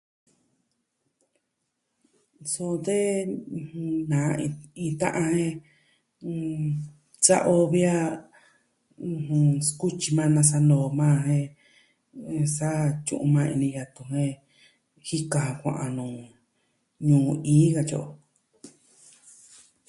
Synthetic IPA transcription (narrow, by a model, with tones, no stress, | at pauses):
so˦˧t̪ẽ˦˧ | nã˨˧ĩ˧t̪ã̰˦ʔã˧hẽ˦˧ | t͡sa˦˧ʔo˧βi˦a˦˧ | hũ˧sku˦t͡ʃi˧mã˦˧nã˧s̬a˧no˨˧mãː˦˧hẽ˧ | sa˦t͡ʃṵ̃˦˧ʔṵ̃˧mã˧ḭ̃˧nĩ˧ja˧t̪u˧ɦẽ˦ | hi˦kã˧ã˧kʷã̰˧ʔã̰˧nũː˨ | ɲũː˨˧ĩː˦ɣa˧t͡ʃo̰˧ʔo˧